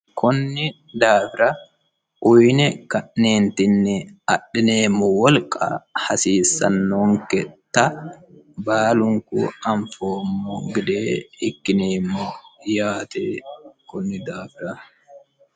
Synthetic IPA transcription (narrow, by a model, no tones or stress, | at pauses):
kʊnːɪ | d̪aːfɪɾɐ | ʔʊjnɛkɐʔːeːnt̪ɪnːɛɐɗɪne̞ːmːɔwɔlkʼɐ̰hɐsiːsːɐ̰nːoːŋkɛt̪ːɐ | baːlʊŋkṵɐɱfoːmːɔɡɪd̪eːɪkːɪneːmːɔjaːt̪ekʊnːɪd̪aːfɪɾɐ